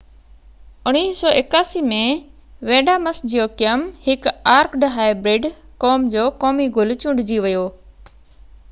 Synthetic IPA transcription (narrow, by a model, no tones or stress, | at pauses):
ʊñiːsɔːʔɪkaːsimẽ | ʋẽːɖaːməsd͡ʑijoːkɪjəmhɪkaːɾkɖɦaːɪbɾɪɖkɔːmd͡ʑoːkɔːmiɡʊlt͡ɕʊ̃ɖd͡ʑiʋɪjoː